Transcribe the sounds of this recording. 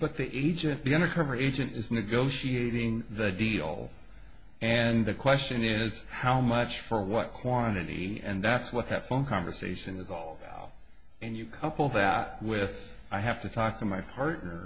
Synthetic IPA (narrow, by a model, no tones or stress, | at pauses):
b̥ʌt̪̚ðiʔeɪd͡ʒɨ̃nðiʌ̃ndə˞kʰʌvə˞ieɪd͡ʒɨ̃ntɪznɨɡoʊʃieɪɾɪ̃ŋðɨdilˠ | ɨ̃nðɨkʰw̥ɛst͡ʃɨ̃nɪz̥haʊmʌt͡ʃfə˞wʌt̚kʰw̥ɑ̃ñɨɾḭɨ̰̃nðætswʌt̪̚ðɨtfõʊ̃nkʰɑ̃ɱvə˞sḛɪʃɨ̃nɨzɔlˠəba̰ʊɾ̚ | ɨ̃njɨkʰʌpl̩ˠðæt̚wɪð | aɪɦæftɨtʰɔk̚tʰɨmaɪpʰɑɹtⁿnə˞